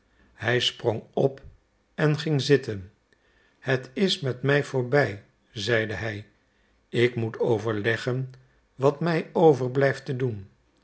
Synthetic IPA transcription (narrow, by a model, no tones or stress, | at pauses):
hɛjsproŋɔp | ɛnχɪŋzɪtən | hətɪsmɛtmɛjfʊːɹbɛj | zɛjdəɦɛj | ɪkmutowvəɹlɛχən | ʋɑtmɛjowvəɹblɛjftədun